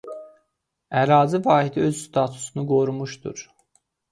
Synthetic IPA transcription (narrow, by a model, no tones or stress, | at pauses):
æɾɑːzivɑːhid̪iøzst̪ʰɑt̪ʰu̥sunuɡo̞ɾumuʃd̪ṵɾ